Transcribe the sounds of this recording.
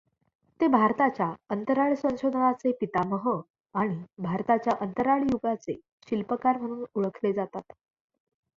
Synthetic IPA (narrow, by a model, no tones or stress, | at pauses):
t̪ebʱaɾt̪at͡ɕjaənt̪əɾaɭsə̃w̃ɕod̪ʱəɳat͡sepit̪aməɦə | aɽ̃ibʱaɾt̪at͡ɕjaʔənt̪əɾaɭjuɡat͡se | ɕilpəkaɾm̤əɽ̃uːnuɭəkʰled͡zat̪at̪